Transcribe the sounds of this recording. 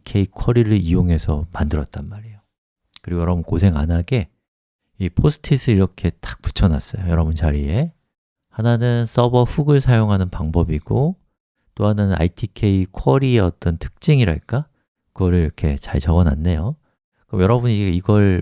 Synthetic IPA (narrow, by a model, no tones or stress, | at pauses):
kʰe̞ikʰʌɾiɾɯɭijoŋɦe̞sʰʌ̰mandɯɾʌt̚t͈anmaɾijo | kɯɾiɡojʌɾʌbunkos̬ʰe̞ŋanɦaɡe̞ | ipʰosʰɯ̥tʰisʰɯiɾʌkʰe̞t͈ḁk̚p͈u̥t͡ɕʰʌnas͈ʌjojʌɾʌbunt͡ɕaɾie̞ | hananɯns͈ʌbʌɸuɡɯɭsʰajoŋɦanɯnpaŋbʌbiɡ̥o | t͈oɦananna̰itʰikʰe̞ikʰʌɾieʌt͈ʌntʰɯ̥k̚t͡ɕ͈iŋiɾa̰ɭk͈a | kɯɡʌɾɯɭiɾʌkʰe̞t͡ɕaɭt͡ɕʌɡʌna̰nːe̞jo | kɯɾʌmjʌɾʌbuniɡiɡʌɭ